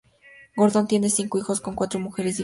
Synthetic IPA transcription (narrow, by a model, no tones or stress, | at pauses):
ɡoɾðont̪jenesiŋkoixo̞sko̞ŋkwat̪ɾomuxe̞ɾesi